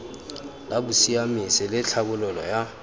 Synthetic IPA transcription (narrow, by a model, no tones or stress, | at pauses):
labusijamisɪlɪɬʰabʊlʊlɔja